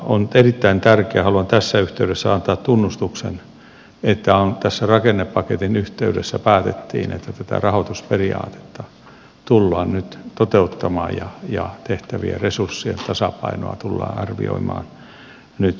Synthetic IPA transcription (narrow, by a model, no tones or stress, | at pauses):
ont̪erit̪ːæint̪ærkeæhɑluɑnt̪æsːæyht̪eydesːæɑnt̪ɑːt̪t̪unːust̪uksḛn | et̪ːæont̪æsːærɑkenːepːɑket̪inyht̪eydesːæpæːt̪et̪ːḭːnḛt̪ːæt̪æt̪æ̰rɑhot̪usperiɑ̰ːt̪e̥t̪ːɑ | t̪ulːɑːnnyt̪t̪ot̪eut̪ːɑmɑːjjɑjɑt̪eht̪æʋḭḛresursːiḛnt̪ɑsɑpɑino̰ɑ̰t̪ulːɑ̰ːɑrʋḭo̰imɑ̰ːn | nyt̪